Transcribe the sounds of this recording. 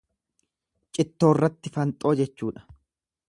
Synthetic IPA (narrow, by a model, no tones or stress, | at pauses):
t͡ʃʼɪt̪ːo̞ːrːɐt̪ːɪfɐnt̪ʼo̞ːd͡ʒɛt͡ʃːuːᶑɐ̥